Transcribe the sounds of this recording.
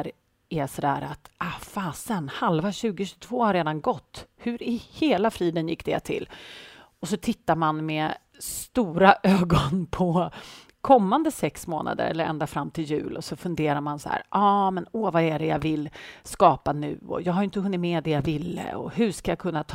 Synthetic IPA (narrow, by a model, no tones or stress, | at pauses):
ɾ | ɛsɔd̪æːɾat̪ʔafaːsənhalvaɕʉ̟ːɡɪɕɵ̥t̪ʰv̥oːhaɾeːd̪anɡɔt̪ːhɵɾɪheːlafɾiːd̪ənjɪkːd̪̥ɛja̰t̪ʰɪ̰lː | ɔsɔt̪ʰɪt̪ːaɾmanmɛ | st̪uːɾaʔøːɡɔnpʰɔ | kʰɔmːand̪əsɛksmo̰ːna̰d̪ə̰ɾɛ̰lːəɾɛ̰nd̪afɾamːt̪ʰɪljʉ̟̰ːlʔɔsɔfɵnd̪eːɾaɾmansa̰hæ̰ːɾʔɑːmɛnoːvaɛɖɛjavɪlskɑːpanʉ̟ːɔ̰jɑːɡɦaɾjɪnt̪əhɵnːɪt̪mɛd̪ɛjavɪlːə̰ɔ̰hɵʂkajakʰɵnːat̪ʰ